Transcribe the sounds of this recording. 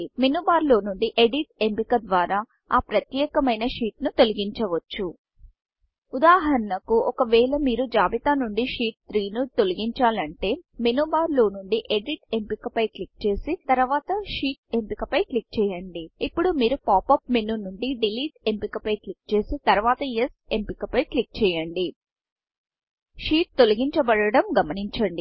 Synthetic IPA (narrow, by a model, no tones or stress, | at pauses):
menuːbaːɾlo̞ːnuɳɖiʔeɖiʈ̚e̞mpikɐd̪ʋaːɾaː | aːpɾɐt̪jɛːkɐmɐjnɐʂiːʈnut̪o̞liɡiɲt͡ʃɐʋɐt͡ʃːu | ud̪aːɦɐɾɐnɐkuɔkɐʋɛːɭɐmiːɾud͡ʒaːbit̪aːnuɳɖiʃiːʈ̚t̪ɾiːnut̪oliɡiɲt͡ʃaːlɐɳʈe̞ːmenuːbaːɾlo̞ːnuɳɖiʔeɖiʈe̞mpikɐpɐjklik̚t͡ʃe̞ːsit̪ɐɾʋaːt̪ɐʃiːʈ̚e̞mpikɐpɐjklik̚t͡ʃɛːjɐɳɖiipːuɽumiːɾupaːpɐpmenunuɳɖiɖiliːʈe̞mpikɐpɐjklik̚t͡ʃe̞ːsit̪ɐɾuʋaːt̪ɐjese̞mpikɐpɐjklik̚t͡ʃɛːjɐɳɖi | ʂiːʈ̚t̪o̞luɡiɲt͡ʃɐbɐɽɐɽɐmɡɐmɐniɲt͡ʃɐɳɖi